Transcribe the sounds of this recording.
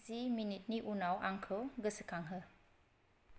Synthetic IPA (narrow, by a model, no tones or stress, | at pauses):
ziminit̪̚niʔunawʔa̰ŋkʰəwɡəsəkʰaŋɦə